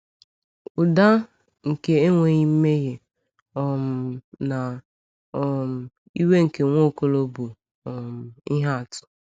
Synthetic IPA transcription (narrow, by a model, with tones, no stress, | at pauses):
ʊ˨da˦ | ŋ̩˨ke˨e˦ŋʷe˨ɲi˦m̩˦me˦ɣe˨ | ɔ˨m̩˨na˨ | ɔ˨m̩˨ | i˦we˦ŋ̩˨ke˨ŋʷo˦˨ko˦lo˦bu˨ | ɔ˨m̩˨i˦ɦa˦˨tʊ̥˨